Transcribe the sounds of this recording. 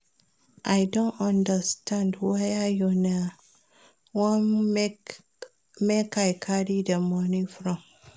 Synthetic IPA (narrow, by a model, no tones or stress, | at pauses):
ʔajdõnãndəstʰãndwajajuna | wɔn | mekajkʰaɾidəmɔnifɾɔ̃m